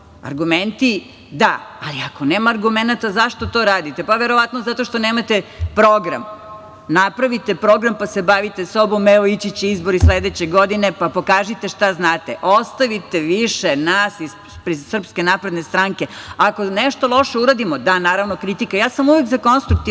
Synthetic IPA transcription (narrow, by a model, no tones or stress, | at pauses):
a̰ɾɡument̪i | d̪aːliakoneːmaːɾɡumenat̪azaʃt̪o̞t̪oɾaːd̪it̪epaʋeɾoʋat̪nozat̪oʃt̪oneːmat̪epɾoɡɾa̰m | napɾaʋit̪epɾo̞ɡɾampasebaʋit̪esobomːeoit͡ɕit͡ɕizboɾisled̪et͡ɕeɡod̪inepapo̞kaːʒit̪eʃt̪aznaːt̪eʔost̪aʋit̪eʋiʃenasiz | pɾisr̩pske̞napɾed̪nest̪ɾaŋke̞ako̞neʃt̪olˠo̞ʃeuɾad̪imod̪anaːɾaʋnokɾit̪ikajaːsamuʋekzako̞nst̪ɾuk̚t̪i